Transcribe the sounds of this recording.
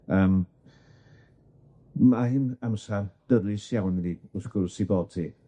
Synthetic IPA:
əːm | mahɪnamsard̥əɾɨsjawnɾiːʊθkʊrsiboːd̥̚tʰi

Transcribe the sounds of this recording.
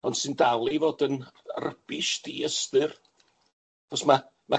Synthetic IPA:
ɔndsɨndalˠivoːdənrəb̥ɪʃdʰiːəstɨr | χɔsma | ma

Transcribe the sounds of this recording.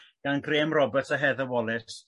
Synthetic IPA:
ɡ̥anɡreːmrɔbətʰəɦɛðəwɔlˠɪs

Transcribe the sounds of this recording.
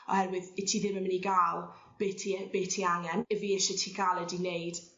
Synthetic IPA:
ɔ̰hɛrwɪðɪtʰiðɪməməniɡaːlˠ | b̥etʰib̥eːtʰiaŋjɛnɪviɪʃɪtʰiɡ̥aːlˠədinejd̥

